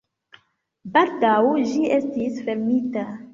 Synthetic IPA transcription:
baldawd͡ʒiʔe̞stisfeɾmita

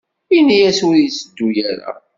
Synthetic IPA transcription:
inijæswɾisəd̪ːujæɾa̰

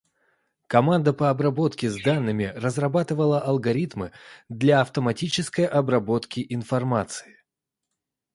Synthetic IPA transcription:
kɐmand̪əpəɐbɾɐbo̞t̪kʲɪzd̪anːɨmʲɪrəzrɐbat̪ɨvəlˠəʔɐlˠɡɐɾʲit̪mɨd̪lʲaɐft̪əmɐtʲit͡ɕɪskəjʔɐbɾɐbo̞t̪kʲɪʔɪnfɐrmat̪sɨ̥ɪ

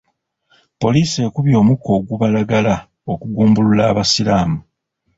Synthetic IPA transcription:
po̞liːse̞ːkuβjo̞ːmukʰo̞ːɡuβalaɡala | o̞kuɡuːmbululaːβasilaːmu

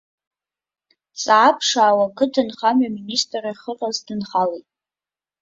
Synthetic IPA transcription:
sʼʕapʰʂaːwakʰɨtʰanχamɥaministʼraχəqʼazdɨnχalejtʼ

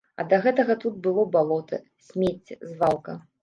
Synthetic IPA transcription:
ɐ̰d̪ɐɣɛt̪ɐɣɐt̪ut̪̚bɨlˠɔbalˠɔt̪ɐ̰ | sʲmʲet͡sʲzvalˠkɐ

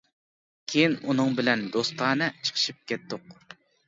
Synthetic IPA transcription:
kʲʰejinunɨŋbɪlɛnd̪ost̪ɑːnɨt͡ʃʰə̥qʰə̥ʃip̚kʲɛt̪ːʊq

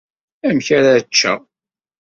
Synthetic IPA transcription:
æmçaɾat͡ʃːæ

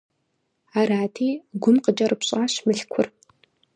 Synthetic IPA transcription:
aːraːtʰiːɡʷʊmqət͡ʃʼɐrɨpɕʼaːɕmɨɬkʷʰʊr

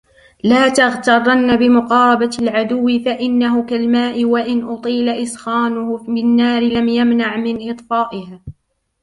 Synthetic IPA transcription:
laːt̪aɣt̪ɑrˤːɑnːabɪmʊqɑːɾˤɑbalʕad̪ʊwːɪfaʔɪnːaɦʊkalmaːʔɪwaʔɪnʔʊt̪ˤiːlaʔɪsxaːnʊhʊɪnːaːɾɪlamjamnaʕmɪnʔɨt̪ˤfɑːʔɪhaː

